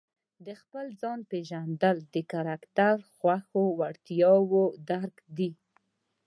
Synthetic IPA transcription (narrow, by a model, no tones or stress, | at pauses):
d̪əxpəlzɑnpeʒand̪əld̪əkaɾakt̪aɾxwaxowaɽt̪jɑwod̪aɾkd̪i